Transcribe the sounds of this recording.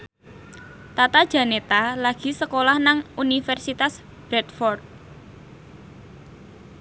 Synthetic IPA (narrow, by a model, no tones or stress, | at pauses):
t̪at̪ad̥d͡ʒ̥a̤net̪alaɡ̥i̤səkolahnaŋunifɛrsit̪as | b̥ɾɛt̪̚fɔrt̪̚